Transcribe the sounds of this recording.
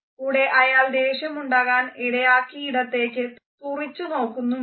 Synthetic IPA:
kuɽe̞ʔɐjaːld̪e̞ːɕɐmuɳɖaːɣaːniɽɐjaːkːiiɽɐt̪ːe̞ːkːɨ | purit͡ɕːuno̞ːkːunːu

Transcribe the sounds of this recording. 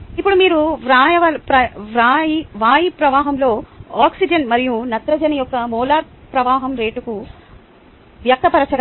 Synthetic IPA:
ipːuɽumiːɾuʋɾaːjɐʋɐpɾɐʋaiʋaːjipɾɐʋaːɦɐmlo̞ːaːksid͡ʒɐnmɐɾijunɐt̪ɾɐd͡ʒɐnɐjɔkːɐmɔːlaːɾ | pɾɐʋaːɦɐmɾe̞ːʈuku | ʋjɐk̚t̪ɐpɐɾɐt͡ʃɐɡ

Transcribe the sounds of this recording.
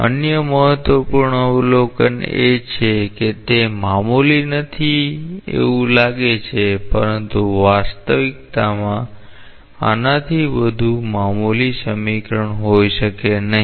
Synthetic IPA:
ə̰njəməɦət̪ʋəpuɾɳəlokə̰net͡ʃʰeket̪emamulinət̪ʰiḛʋũlaɡet͡ʃʰepəɾənt̪uʋast̪əʋik̚t̪amã | a̰nat̪ʰiʋəd̪ʱumamulisəmikɾəɳɦojʃəkenəɦi

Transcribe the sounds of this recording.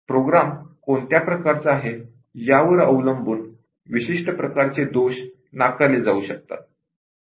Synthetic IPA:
pɾoɡɾamkoɳt̪japɾəkaɾt͡saaɦe | jaʋəɾəʋləmbuːn | ʋiɕiʂʈəpɾəkaɾt͡sed̪oɕ | nakaled͡zauːɕək̚t̪a̰t̪̚

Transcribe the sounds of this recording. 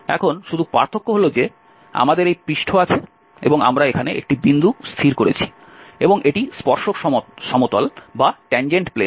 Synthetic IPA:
ɛ̰kʰonʃud̪ʱupaɾt̪ʰokːoɦolod͡ʑe | a̰mad̪eɾejpɾiʃʈʰoat͡ɕʰe | ḛboŋa̰mɾaekʰaneʔḛk̚ʈibind̪ust̪ʰiɾkoɾḛt͡ɕʰi̥ | eboŋʔeʈispɔɾʃokʃɔmot̪olbaʈɛnd͡ʑeɳʈple

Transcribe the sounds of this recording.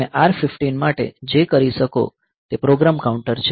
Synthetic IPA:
eʔaɾfɪfʈinmaʈḛd͡ʒekəɾiʃəko̰ | t̪epɾoɡɾamkauɳʈəɾt͡ʃʰ

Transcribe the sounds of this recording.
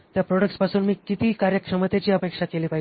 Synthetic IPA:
t̪japɾoɽəkʈspasuːnmiːkit̪iːkaɾjəkʂəmət̪et͡ɕiːəpekʂakeliːpaɦi

